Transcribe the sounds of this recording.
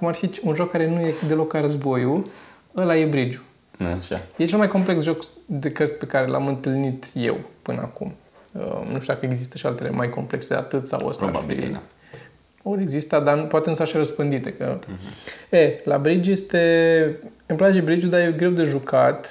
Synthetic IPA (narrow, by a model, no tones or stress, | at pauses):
kumarfit͡ʃunʒo̞kːaɾe̞nuje̞d̪e̞lo̞klaɾəzbo̞ju | əlaje̞bɾid͡ʒu | ʃa̰jet͡ʃe̞lmajko̞mple̞ksʒo̞kd̪e̞kərsʲpe̞kaɾe̞la̰mɨnt̪ɨlnit̪je̞̰wpɨnəakṵm | ə̰nṵʃt̪ud̪akəe̞ɡzist̪ə̥ʃia̰lt̪e̞lemajko̞mple̞kseea̰t̪ɨt̪sa̰wə̰st̪a̰a̰bḭ | oɾeɡzist̪ad̪anpoat̪enusaʃaɾəspɨnd̪it̪ekə̰ | ela̰bɾid͡ʒuje̞st̪e | ɨmplad͡ʒebɾid͡ʒud̪ajeɡɾe̞wd̪e̞ʒukat̪